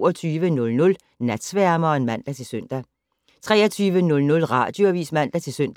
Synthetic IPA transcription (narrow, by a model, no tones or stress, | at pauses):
ɐt͡sʰyːʋənɔ̽lnɔ̽l | næd̥sʋæɐmɐɒ̽enmæn̰d̥æt͡sʰe̝lsøn̰d̥æ | t͡sʰʁɛ̰ːɐt͡sʰyːʋənɔ̽lnɔ̽lʁɑ̰̈ːd̥joʋḭːsmæn̰d̥æt͡sʰe̝lsøn̰d̥